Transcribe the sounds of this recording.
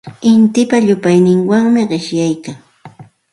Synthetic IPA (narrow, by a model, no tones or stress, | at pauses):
ɪnt̪ɪpaʎʊpajnɪŋwaŋmɪɢɪʃjajkaŋ